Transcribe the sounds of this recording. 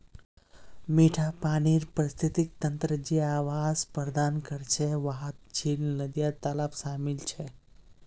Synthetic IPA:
miːʈʰapaːɽ̃iːɾpəɾist̪ʰit̪ik̚t̪ənt̪ɾəd͡ʑiːaːʋazpəɾd̪aːnkəɾt͡ɕʰeʋaɦət̪̚d͡ʑʰiːlnəd̪jat̪alafʃaːmilt͡ɕʰe

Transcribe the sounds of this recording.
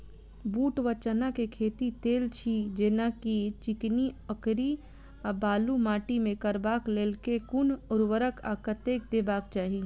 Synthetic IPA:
buːʈʋət͡ʃənakekʰeːt̪it̪eːlt͡ʃʰid͡ʒeːnakit͡ʃɪkniəkɾi | abaːlumaːʈimẽkəɾbaːkleːlkekʊnʊɾʋəɾəkʰa̰ːkət̪eːk̚d̪eːbaːk̚t͡ʃaːɦiː

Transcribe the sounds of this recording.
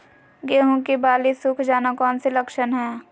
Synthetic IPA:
ɡeːɦõkibaːlisʊkʰd͡ʒaːnakɔːnsiləkʃənɦɛː

